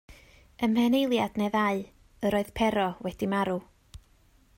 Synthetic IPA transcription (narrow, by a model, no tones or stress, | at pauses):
əmhɛnejlˠjad̥neðaɨ | əɾoːɨð̥pʰɛɾɔwɛd̥imaɾu